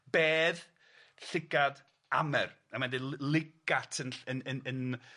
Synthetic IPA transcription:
b̥eːð | ɬɪɡad | a̰mɛr | amandillˠɪɡ̥atʰənənənən

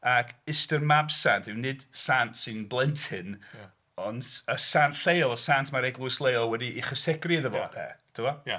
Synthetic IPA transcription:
akʰɪstərmabsantʰɪwnɪd̥santsɪnblˠɛntʰɪn | ɔnəsantɬejlˠəsantʰmaɾɛɡlˠuɪslˠejlˠwɛdiʔiχəsɛɡriðəbɔ̰ɛ̰tʰʊwɔ

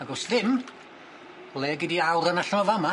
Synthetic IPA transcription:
aɡɔsðɪm | lˠɛːɡɪdiawɾənaɬəmɔvama

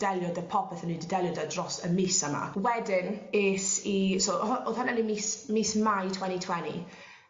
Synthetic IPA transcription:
d̥ɛlˠjɔdəpʰɔpʰɛθənidɛdɛlˠjɔdadrɔsəmiːsəma̰wɛdɪneːsisoʔoðhananimiːsmiːsmajtʰwɛnitʰwɛnḭ

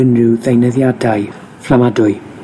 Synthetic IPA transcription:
ənrɪwðejnəðjadaj | flamadʊɨ

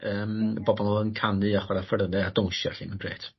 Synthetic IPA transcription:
əːməbɔbɔlˠɔənkʰanɨaχwaɾafərðɛadɔwŋʃjɔ̰ɬimənɡrḛːtʰ

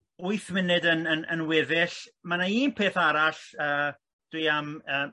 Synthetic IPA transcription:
ʊɨθmɪnɨdənənənwɪðɪɬmanaiːnpʰeːθaɾaɬəː | d̥ujaməː

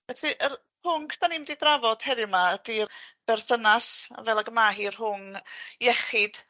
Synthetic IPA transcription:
ɛɬiʔər | pʰʊŋkʰd̥aniːmdidravɔd̥hɛðɪmad̥ib̥ɛrθənasa̰vɛlˠaɡəmaɦiːrɦʊŋjɛχɪd̥

